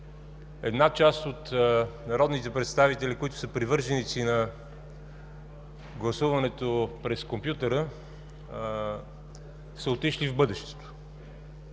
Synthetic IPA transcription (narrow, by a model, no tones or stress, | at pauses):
ɛd̪nat͡ʃast̪ot̪nɐɾɔd̪nit̪ɛpɾɛt̪st̪avit̪ɛlʲikoit̪ʊ̥səpɾivɤɾʒɛnit̪sinɐ | ɡlˠɐsuvɐnɛt̪opɾɛskompjut̪əɾə | sɛot̪iʃlivbɤd̪ɛʃt̪ɛ̥t̪o̥